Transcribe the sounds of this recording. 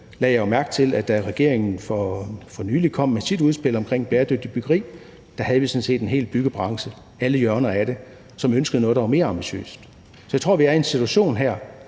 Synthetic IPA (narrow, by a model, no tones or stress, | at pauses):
lɛ̰jɑjomæɐɡ̥̚t͡sʰe̝læd̥æʁɛɡ̥e̝ɐ̰eŋn̩fɒfɒ̽nyːlikʰɒ̽m̰ːesʰid̥uð̞ˠsb̥e̝l̰ɒ̽mkʰʁeŋ̰b̥eːɐd̥øɡ̥̚d̥ib̥yɡ̥ɐʁḭː | d̥æɦæð̞ˠʋisɒ̽n̩se̝̰ːd̥e̝nɦe̝̰ːlb̥yɡ̥əb̥ʁɑ̈ŋsə | æləjɶɐnɐæɾ̥e̝ | sɒ̽mønsɡ̥əð̩ˠnɔð̩ˠdɑʋɑ̈me̝ːɐɑ̈mb̥iɕø̰ːsd̥ | sɒjäɪo̝ɐ̰ʋiæɐe̝nsit͡sʰuæɕo̝̰ːnɦæɐ̰